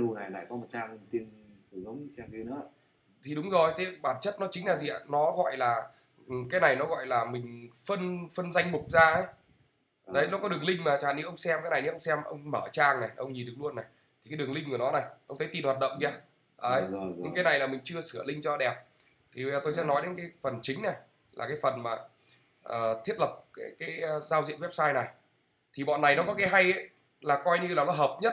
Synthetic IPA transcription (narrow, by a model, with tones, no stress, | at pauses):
lu˧na˨˩jla̰ː˧˨jkɔ˨˦mo˨˩t̚t͡ɕaː˧ŋ˧˩t̪i˧ən˨˩ | zə˨˦wŋ͡msɛ˧mki˧nɨ̰˧˥˦ | t̪ʰi˨˩ɗʊ˨˦ŋ͡mzo˨˩jt̪ʰe˨˦ɓaː˧˩nt͡ɕə˦˥t̚nɔ˨˦t͡ɕï˨˦ŋ̟laː˨˩zi˨˩ʔa̰ː˧˨nɔ˨˦ɣɔ̰˧˨jlaː˨˩˨ | kaː˨˦jna˨˩jnɔ˨˦ɣɔ̰˧˨jlaː˨˩mï˨˩ŋ̟fə˧nfə˧nza˧jŋ̟mʊ˨˩k͡p̚zaː˧ʔə˨˦j | ɗə˨˦jnɔ˨˦kɔ˨˦ɗɨ˨˩əŋlï˧ŋ̟maː˨˩t͡ɕa˨˩n˨˦ʔə˧wŋ͡msɛ˧mkaː˨˦jna˨˩jni˨˦ʔə˧wŋ͡msɛ˧mʔə̰˧wŋ͡mməː˧˩t͡ɕaː˧ŋna˨˩jʔə˧wŋɲi˨˩nɗɨ˨ə˩lu˧ənːa˨˩j | t̪ʰi˨˩kaː˨˦ɗɨ˨˩əŋli˧ŋ̟ku˧˩ənɔ˨˦na˨˩jʔə˧wŋ͡mt̪ʰt̪i˨˩nhaː˨˩t̚ɗə̰˧˨wŋ͡mzaː˧˩ | ʔəː˨˦jɲɨ̰˧ŋkaː˨˦jna˨˩jlaː˨˩mï˨˩ŋ̟t͡ɕɨ˧əsɨ˧˩əlï˧ŋ̟t͡ɕɔ˧ɗɛ˨˩p̚ | t̪ʰi˨˩˨t̪o˧js̬ɛ̰˧˥nɔ˨˦jɗe˨˦nkaː˨˦fə˨˩nt͡ɕï˨˦ŋ̟na˨˩j | laː˨˩kaː˨˦jfə˨˩nmaː˨˩ | ʔəː˨˩t̪ʰi˦˥ət̚lə˨˩p̚kaː˨˦jkaː˨˦jzaː˧wzḭ˧ənwɛ˦˥p̚saː˧jna˨˩j | t̪ʰi˨˩ɓɔ̰˧˨nːa˨˩jnɔ˨˦kɔ˨˦kaː˨˦jɦa˧jʔə˨˦j | laː˨˩kɔ˧jɲɨ˧laː˨˩nɔ˨˦ɦəː˨˩p̚ɲə˦˥t̚